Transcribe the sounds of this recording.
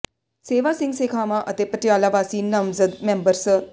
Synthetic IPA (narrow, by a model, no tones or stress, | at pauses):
seːʋaːsɪ̃ŋɡseːkʰaːmãʔət̪epəʈjaːlaʋaːsiːnːəmzəd̪mẽːmbəɾs